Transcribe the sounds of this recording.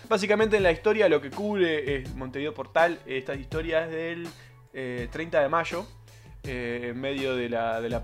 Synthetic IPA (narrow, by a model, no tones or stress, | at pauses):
bas̬ikamẽnt̪eːnlaist̪o̞ɾjalo̞ke̞kuβɾeesmõnt̪eiðopo̞ɾt̪alest̪asiht̪o̞ɾjaeɦðel | et̪ɾejnt̪aðemaʒo̞ | eːmme̞ðjo̞ðelaðela